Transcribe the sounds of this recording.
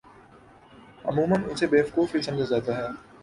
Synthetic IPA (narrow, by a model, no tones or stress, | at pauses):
ɐ̰muːmənʊsebeːfkoːfisɐ̃md͡ʑazaːd̪aɦɛː